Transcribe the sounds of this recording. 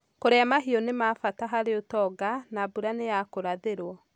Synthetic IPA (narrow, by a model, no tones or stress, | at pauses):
koɾeamaɦiɔnemafataɦaɾeotɔɡanabuɾanejakoɾaðeɾwɔ